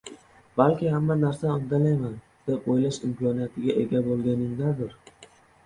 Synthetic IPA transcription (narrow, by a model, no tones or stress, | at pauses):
b̥alkʲɪhamːanaɾsaɒnd̪alajman | d̪̥epojlaʃɪmkɒnijat̪ʰɪɡʲaʔe̞ɡʲabolˠɡʲanɪŋd̪ad̪ɪɾ